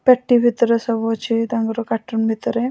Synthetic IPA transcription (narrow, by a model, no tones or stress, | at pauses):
pɛʈːibʱit̪ɾesɐbot͡ʃid̪aŋɡɾokaʈːunbʱit̪ɾe